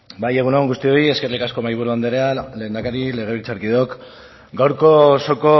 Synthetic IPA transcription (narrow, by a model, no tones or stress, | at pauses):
baje̞ɣ̞uneoŋɡust̪io̞ie̞ske̞rlikasko̞majβuɾuand̪eɾeale̞ːnd̪akaɾile̞ɣ̞e̞βilt͡saɾkiðeok | ɡawɾko̞so̞ko̞